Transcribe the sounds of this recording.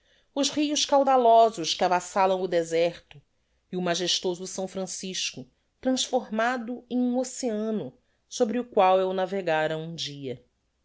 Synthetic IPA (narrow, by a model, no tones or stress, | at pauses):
ʊzʁijʊʃkawd̪alɔzʊʃkɪabasalɐ̃w̃ʊd̪ezɛɾt̪ʊ | iʊmaʒeʃt̪ozʊsɐ̃w̃fɾɐ̃siʃkʊ | t̪ɾɐ̃sfoɾmad̪ʊẽj̃ũoseɐ̃nʊ | sobɾɪʊkwawewnaveɡaɾɐũd͡ʒiɐ